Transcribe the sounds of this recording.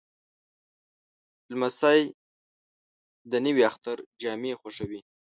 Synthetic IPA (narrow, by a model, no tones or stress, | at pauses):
lmasaj | d̪ənəwiaxt̪aɾd͡ʒɑmexoʂawi